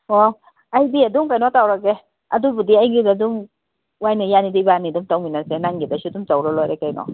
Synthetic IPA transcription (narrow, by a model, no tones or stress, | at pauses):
ɔ | ajd̪ied̪umkajnɔtawɾɔke | a̰d̪ubud̪iajŋɡidad̪um | wajnejanid̪ibanid̪umtawminasɛnaŋɡid̪asʰud̪umt͡sawɾɔlɔɾɛkajnɔ̰